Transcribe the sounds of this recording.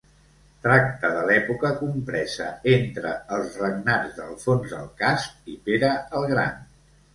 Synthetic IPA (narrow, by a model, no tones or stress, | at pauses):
t̪ɾak̚t̪əðəlɛpukəkumpɾɛzə̰ent̪ɾəːlˠzrəɡnad͡zðəlˠfonzðəlˠkasp̚ipeɾəəlˠɣɾa̰n